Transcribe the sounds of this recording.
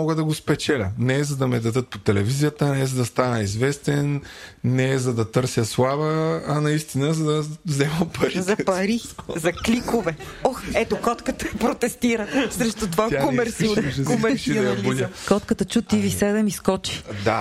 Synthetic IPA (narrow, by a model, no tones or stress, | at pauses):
ɔɡəd̪ɐɡospɛt͡ʃɛlʲə̰nɛɛzɐd̪ɐmɛd̪ɐd̪ɤt̪̚pot̪ɛlɛvizijət̪ənɛzɐd̪ɐst̪anəizvɛst̪ɛnːɛzɐd̪ɐt̪ɤɾsjəslˠavəɐnɐist̪inəzɐd̪ɐvzɛməmpɐɾizɐpɐɾizɐklikovɛɔxɛt̪okɔt̪kət̪əpɾot̪ɛst̪iɾəsɾɛʃt̪ut̪vaakoɛɾsiukomɛsilukɔt̪kət̪ət͡ʃut̪ivisɛd̪ɛmiskɔt͡ʃi̥d̪a